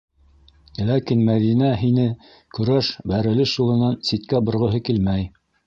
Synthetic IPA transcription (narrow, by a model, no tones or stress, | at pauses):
lækinmæðinæɦinɘ | kɵ̆ɾæʃbæɾɘ̆lɘʃulˠɤ̆nɑnsit̪kæbŏɾʁɤ̆ɦɤkilmæj